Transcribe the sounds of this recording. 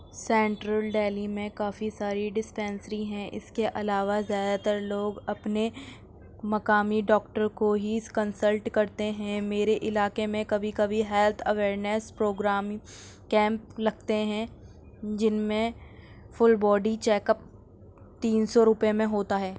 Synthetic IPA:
sɛ̃ːɳʈɾəlɖeːlimẽkaːfisaːɾiɖɪspɛ̃ːnsəɾiɦɛ̃ʔɪ̰skeʔɐlaːʋazjaːd̪at̪əɾloːɡɐpne | mɐkaːmiɖɔːk̚ʈəɾkoɦiɪskɐnsəlʈkɐɾt̪eɦɛ̃meːɾeʔɪlaːkemẽkɐbʱikɐbʱiɦɛlt̪ʰɐʋeːɾnespɾoːɡɾaːm | kɛ̃ːmp̚lɐɡt̪eɦɛ̃ | d͡ʒɪnmẽ | fʊlbɔːɖĩt͡ʃɛːkəp̚ | t̪iːnsɔɾʊpemẽɦoːt̪aɦɛː

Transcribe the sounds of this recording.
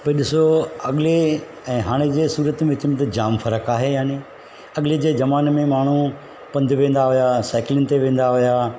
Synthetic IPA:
pɐiɗɪsoɐɠɪle | ɛ̃ːɦaːɽ̃ed͡ʑeːsuːɾət̪mẽʋɪt͡ɕɪmẽt̪ɐd͡ʑaːmfɐɾəkaːɦejaːni | ɐɠɪled͡ʑeːd͡ʑɐmaːnmẽmaːɳ̤̃u | pɐ̃nd̪ʱʋẽːn̆d̪aɦʊjasaːɪklɪ̃nt̪eʋẽːn̆d̪aɦʊjaː

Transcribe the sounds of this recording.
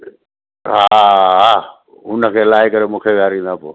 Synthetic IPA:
ɦaɦaː | ɦʊnəkʰeːlaːɪkəɾemũːkʰeʋɪaːɾĩːn̆d̪aːpo̰ː

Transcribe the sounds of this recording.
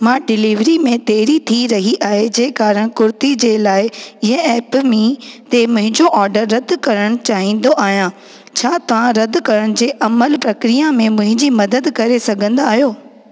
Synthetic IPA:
mãːɖɪliːʋɾimẽt̪eːɾit̪ʰiɾɐɦiʔaːɦed͡ʑeːkaːɾəɽ̃kʊɾt̪id͡ʑeːlaːɪɪɦə̃ɛːpmĩt̪emʊ̃ɦɪ̃ɲd͡ʑoʔɔːɾɖəɾːɐd̪ʱkɐɾəɽ̃t͡ɕaːɦĩːnd̪oʔaːɦjã | t͡ɕʰaːt̪ɐʋ̤ãɾɐd̪kɐɾəɽ̃ɪ̆d͡ʑeːʔɐməlpɾɐkɾijamẽmʊ̃ɦɪ̃ɲd͡ʑimɐd̪əd̪kɐɾesɐɡʱə̃nd̪aːɦjoː

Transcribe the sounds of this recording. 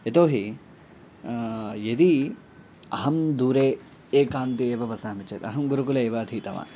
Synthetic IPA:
et̪oːɦi | jed̪i | ɐɦɐmd̪uːɾeː | eːkaːnt̪ieːʋɐʋɐsaːmit͡ʃḛːt̪ɐɦɐmɡuɾukulɐeːʋɐːd̪ʱiːt̪ɐʋa̰ːn

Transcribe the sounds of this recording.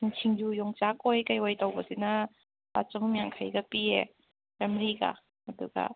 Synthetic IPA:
iŋt͡ʃʰiŋjujɔŋt͡ʃakɔjkajwajtɐwbɐsinɐ | pa̰t͡ʃɔŋmjaŋkʰajɡɐpie | amɾiɡa̰ | ɐduɡɐ̰

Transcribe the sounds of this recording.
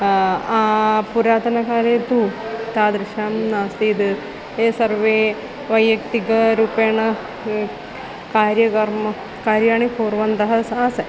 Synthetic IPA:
aːpuɾaːt̪ɐnɐkaːɾeːt̪ut̪aːd̪ɾiʃaːmnaːst̪iːd̪ɨ | eːsɐɾʋeː | ʋɐjːɐkt̪iɡɐɾuːpeːɳɐ | kaːɾjɐkɐɾmɐ | kaːɾjaːɳipoːɾʋɐnd̪ɐɦɐsãːsɐ

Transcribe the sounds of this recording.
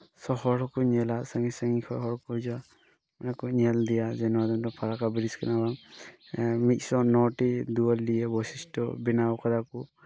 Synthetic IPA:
sɔhɔɾɔkɔɲɛlasaŋisaŋikʰɔɦɔɾɔkɔd͡ʒa | manakɔɲɛld̪ijad͡ʒɛnɔwad̪ɔŋtɔpʰaɾakabiɾiskɛnabaŋ | mit̪̚sɔnɔʈid̪uɔlːijɛbɔsisʈɔbinawkad̪aku

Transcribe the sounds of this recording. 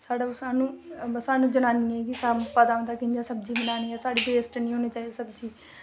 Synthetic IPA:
saːɽaːʊsaːnũːsaːnũːd͡ʒənaːniːɛːkisaːmpaːd̪aːõd̪aːkɪɲd͡ʒãːsəb̚d͡ʒiːbɪnaːniːɛːsaːɽiːbeːsʈnĩːɦoːneːt͡ʃaːiesəbd͡ʒiː

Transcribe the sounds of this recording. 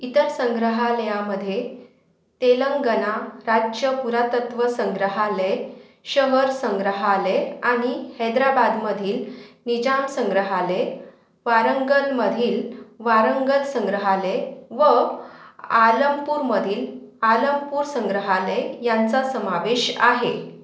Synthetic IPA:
it̪əɾsə̃ŋɡɾəɦaləjaməd̪ʱːje | t̪eləŋɡənaɾad͡ʑjəpuɾat̪ət̪ʋəsə̃ŋɡɾəɦale | ɕəɦəɾsəŋɡɾəɦaleaɽ̃ihɛd̪ɾabad̪məd̪ʱiːlnid͡ʑamsə̃ŋɡɾəɦale | ʋaɾəŋɡəɾməd̪ʱiːlʋaɾəŋɡəlsəŋɡɾəɦaleʋə | aləmpuɾməd̪ʱiːl | aləmpuːɾsə̃ŋɡɾəɦalejant͡sasəmaʋeɕa̰ɦe

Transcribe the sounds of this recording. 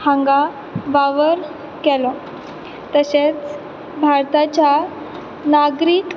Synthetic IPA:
hãŋɡa | ʋaʋəɾ | kɛlɔ | t̪əɕet͡s | bʱaɾt̪at͡ɕja | naɡɾiːk

